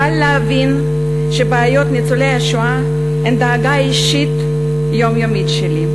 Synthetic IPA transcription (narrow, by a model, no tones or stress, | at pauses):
alleavin | ʃebeːjo̞t̪nit͡solejaʃoa | hend̪aːɡaiʃit̪ | jo̞mjomitʃeli